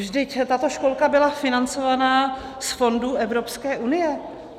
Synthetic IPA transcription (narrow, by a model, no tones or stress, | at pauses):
ʒdɪct̪at̪o̞ʃko̞lkabɪlafɪnant͡so̞vanaː | sfo̞nduʔɛvɾo̞pskɛːʔunɪjɛ